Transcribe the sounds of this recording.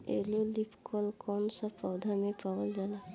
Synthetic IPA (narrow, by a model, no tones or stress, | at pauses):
ḛːlolipkɔlkɔːnsapɔwd̪ʱamẽpaʋəld͡ʒala